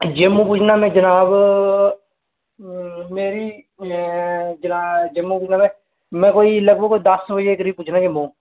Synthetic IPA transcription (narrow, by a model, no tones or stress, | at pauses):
d͡ʒeːmũːp̬ʊt͡ʃʰnaːmɛ̃ːd͡ʒənaːb | meːɾiː | d͡ʒənaːd͡ʒemũːpʊːt͡ʃʰnaːmɛ̃ː | mɛ̃ːkoːiːləɡbəɡkoːiːd̪əsbəd͡ʒekəɾiːb̚pʊːt͡ʃʰnaːd͡ʒemũː